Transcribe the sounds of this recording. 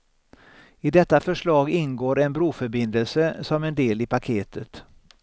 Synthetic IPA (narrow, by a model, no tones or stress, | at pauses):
ɪd̪ɛt̪ːafœʂɭɑːɡɪnɡoːɾɛnbɾuːfœɾbɪnd̪əlsəsɔmɛnd̪eːlɪpakʰeːt̪ʰət̪